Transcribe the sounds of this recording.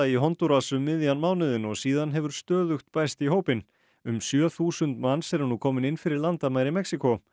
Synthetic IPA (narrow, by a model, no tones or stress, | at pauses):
aiɦɔnt̪uɾasʏmːɪðjanmaːwnɪðɪnɔɣsiːðanɦɛvʏɾ̥st̪œːðʏxt̪pajst̪iɦoːwpɪn | ʏmsjœːθuːsʏnt̪mansɛɾʏɾnukʰɔːmɪnɪnfɪɾɪɾlant̪amajɾɪmɛksiko